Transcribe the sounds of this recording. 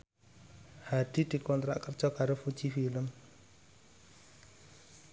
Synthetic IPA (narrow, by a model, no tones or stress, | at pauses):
had̥id̥i̤kɔnt̪ɾa̰ʔkərt͡ʃɔkaɾofut͡ʃifiləm